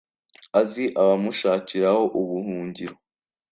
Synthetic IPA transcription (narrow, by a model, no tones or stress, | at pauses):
aziʔaβamuʃaːciɾaho̞ʔuβuhuːɲɟiɾo